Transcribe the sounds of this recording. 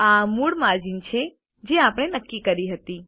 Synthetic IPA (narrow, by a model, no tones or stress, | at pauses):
amuɽmaɾd͡ʒint͡ʃʰe | d͡ʒeapɽ̃enəkːikəɾiɦət̪i